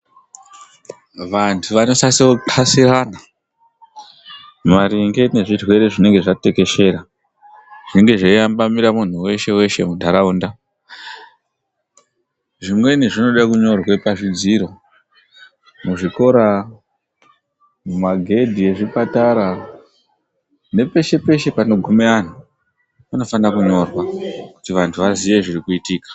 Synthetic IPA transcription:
ʋantʰuʋano̞sasotʰasiraːna | maɾiŋɡe̞ne̞ʐirwe̞ɾe̞ʐine̞ŋɡe̞ʐate̞ke̞ʃe̞ɾa | ʐ̥iŋɡe̞ʐaijambamiɾamun̤uwe̞ʃe̞we̞ʃe̞̰mundʱaɾaunda | ʐimwe̞niʐino̞ɗakuɲo̞rwepaʐid͡ziɾo̞ | muʐiko̞ɾa | mumaɡʱe̞dʱije̞ʐipataɾa | ne̞pe̞ʃe̞pe̞ʃe̞pano̞ɡʱumean̤u | pano̞fanakuɲo̞rwaku̥tiʋantʰuʋaziʋe̞ʐirikuitiːkḁ

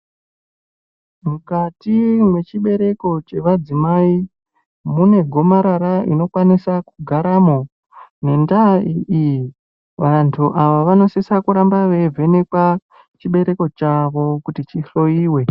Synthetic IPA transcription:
mukatimwe̞t͡ʃiɓe̞ɾe̞ko̞t͡ʃe̞ʋad͡zimai | mune̞ɡʱo̞maɾaɾaḭno̞kwanisakuɡʱaɾamo | ne̞ndaiiji | ʋantʰuʔaʋaʋano̞sisakuɾambaʋe̞vʱe̞ne̞kwa | t͡ʃiɓe̞ɾe̞ko̞t͡ʃaʋo̞kutit͡ʃiɬo̞iːwe̞

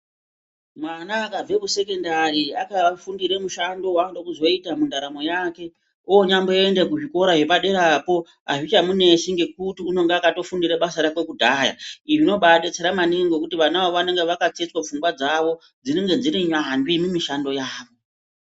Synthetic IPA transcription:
mwanaːkab͡ve̞kuse̞ke̞ndaɾiakafundiɾemuʃando̞wandokuzo̞itamundaɾamo̞jaːke̞ | ojoɲambo̞joendek̬uʐiko̞ɾaʐepaɗe̞ɾapo̞ | a̰ʐit͡ʃamune̞ʃiŋɡe̞k̚utiuno̞ŋɡeakato̞fundiɾeɓasaɾakwe̞kudʱaːja̰ijino̞ɓaɗet͡seɾamaniŋɡokutiʋanaaoʋane̞ŋɡe̞ʋakat͡set͡swap͡fuŋɡwad͡zaʋo̞ | d͡zineŋɡe̞d͡ziɾiɲandwimimiʃando̞jaːʋo̞

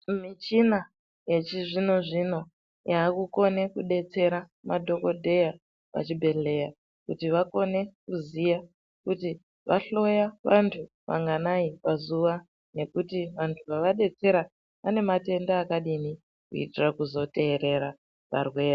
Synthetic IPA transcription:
mit͡ʃina | je̞t͡ʃiʐino̞ʐino̞ | jaːkuko̞ne̞kuɗe̞t͡se̞ɾa | madʱo̞ko̞dʱe̞ja | ʋa̰t͡ʃibʱe̞ɬe̞ja | kutiʋako̞ne̞kuzija | kuti | ʋaɬo̞jaʋantʰu | ʋa̰ŋɡanaipazuʋa | ne̞kutiʋantʰuʋaʋaɗe̞t͡se̞ɾa | ane̞mate̞ndaːkaɗini | kuḭtirakuzo̞te̞ːɾe̞ɾa | pa̰rwe̞ːra

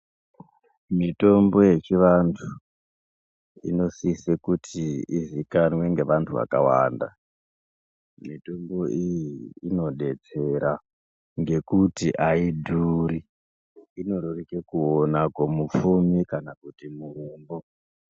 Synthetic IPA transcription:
mito̞mbo̞je̞t͡ʃiʋantʰu | ḭno̞sisekutʰiizikanwe̞ŋɡe̞ʋantʰuʋa̰ka̰wa̰ːnda̰ | mito̞mbo̞ijiino̞ɗe̞t͡se̞ɾa | ŋɡe̞kutiʔaidʱuɾi | ino̞ɾurikekuonakwomufumikanakutimuruːmbo

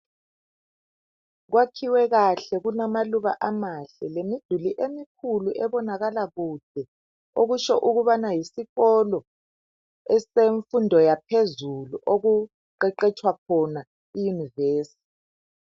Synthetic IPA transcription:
ɣwakʰiwɛɣaɬɛɣunamaluβa̰ʔamaɬɛlemid̥ʱuliʔemikʰuluʔɛβɔnaɣalaɣud̥ʱɛ | oɣut͡ʃɔʔuɣuβanajisiɣɔlɔ | ɛseɱfundʱɔjapʰezuluʔoɣu | ǃɛǃɛt͡ʃʰʼwakʰɔna | ijuniveːsi̥t

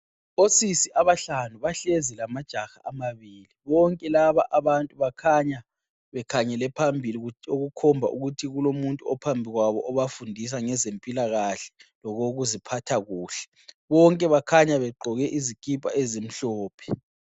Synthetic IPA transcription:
osisiʔaβaɬanuβaɬezilamad̥ʒ̥ʱaxa̰ʔamaβiːliβɔŋkʼɛlaβaʔaβantʼuβakʰaɲa | βɛkʰaɲɛlɛpʰambʱilioɣukʰɔmbʱa̰ʔuɣutʰiɣulomuntʼuɔpʰambʱiɣwaβɔʔɔβafundʱis̬aŋɛzempʼilaɣaɬɛ̥lɔɣoɣuzipʰatʰaɣuːɬɛ̥ | βɔŋkʼɛβakʰaɲaβɛǃʱɔɣɛʔizikʼipʼa̰ezem̩ɬɔːpʰɛ̥

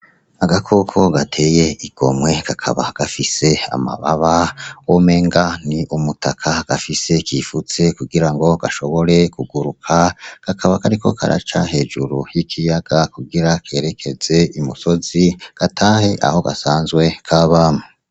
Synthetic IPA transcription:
aɡakʰokʰo̞ɡatʰe̞je̞iɡ̥o̞̰mŋwe̞kakʰa̰βaɡ̥afise̞a̰ma̰βaβaome̞ːŋɡaniʔumutʰakʰaɡ̥afise̞kʰifut͡se̞kuɡiɾaŋɡo̞ɡ̥aʃo̞βo̞ɾe̞kuɡuɾukʰakakʰaβakaɾikʰo̞̰kʰa̰ɾa̰t͡ʃaɦe̞ːʒuɾujikʰijaɡ̥akuɡiɾakʰe̞ɾe̞kʰe̞ze̞imuso̞ziɡ̥atʰaːhe̞ʔa̰ho̞ɡa̰saːnzɡwe̞kʰaβaːmu

